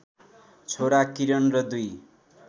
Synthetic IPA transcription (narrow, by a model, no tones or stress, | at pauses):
t͡sʰoɾakiɾʌnrʌd̪uj